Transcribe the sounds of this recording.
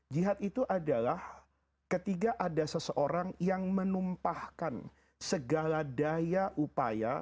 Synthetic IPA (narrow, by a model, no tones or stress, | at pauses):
d͡ʒiɦat̪it̪uʔadalah | kət̪iɡaʔadasəsəʔoɾaŋjaŋmənumpahkan | səɡaladajaʔupa̰ja̰